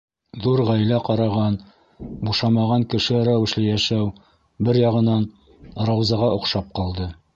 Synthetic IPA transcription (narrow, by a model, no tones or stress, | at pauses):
ðuɾʁæjlæqɑɾɑʁɑn | buʃɑmɑʁɑŋkɘ̆ʃɘɾæwɘ̆ʃlɘjæʃæw | bɘɾjɑʁɤ̆nɑn | ɾɑwzɑʁɑʔŏqʃɑp̚qɑlˠd̪ɤ